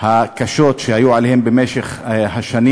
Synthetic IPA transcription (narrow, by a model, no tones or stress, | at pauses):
hakaʃo̞tʃehajuʕalehe̞mbemeʃeχɦaʃani